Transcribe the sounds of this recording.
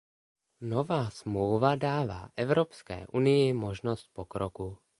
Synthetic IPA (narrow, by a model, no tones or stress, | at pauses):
novaːsmlowvadaːva̰ːʔɛvɾopskɛ̰ːʔunɪjɪmoʒnost̪̚pokɾoku